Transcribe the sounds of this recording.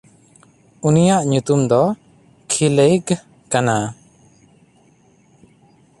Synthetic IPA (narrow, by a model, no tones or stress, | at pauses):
unijaʔɲut̪umd̪ɔ | kʰilejɡ | kana